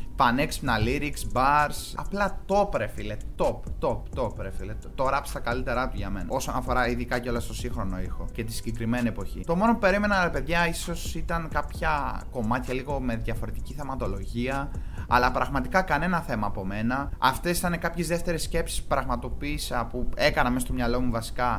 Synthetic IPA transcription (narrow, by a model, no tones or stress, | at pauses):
fɐnekspnɐliɾiksbɐɾsɐplɐt̪o̞pɾefilet̪o̞pt̪o̞pt̪o̞pɾefilet̪o̞ɾɐpst̪ɐkɐlit̪e̞ɾɐt̪uʝɐme̞nɐo̞sonɐfo̞ɾɐiðikɐceo̞lɐst̪o̞siŋxɾo̞no̞ixo̞ce̞t̪isiɲɟe̞kɾime̞nie̞po̞çḭt̪o̞mo̞nopupe̞ɾime̞nɐɾepe̞ðʝɐiso̞sit̪ɐŋkɐpçɐko̞mɐt̪çɐliɣo̞me̞ðʝɐfo̞ɾe̞t̪i̥ciθe̞mɐt̪o̞lo̞ʝiɐɐ̰lɐpɾɐɣmɐt̪ikɐkɐne̞nɐθe̞mɐːpo̞me̞nɐɐft̪e̞sθɐnekɐpçezðe̞ft̪e̞ɾesce̞psi̥su̥pɾɐɣmɐt̪o̞piːsepue̞kɐnɐmesɐst̪omɲɐlo̞muvɐsi̥kɐ